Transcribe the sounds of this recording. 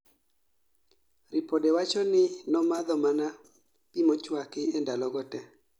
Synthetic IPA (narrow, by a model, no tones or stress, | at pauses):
rɪpɔdɛwat͡ʃɔnɪnɔmad̪ɔmana | pimɔt͡ʃwakɪɛndalɔɡɔtɛ